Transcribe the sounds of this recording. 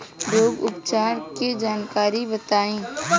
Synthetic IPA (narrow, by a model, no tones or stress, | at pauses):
ɾoːɡʊpt͡ʃaːɾked͡ʒaːnkaːɾibət̪aːẽː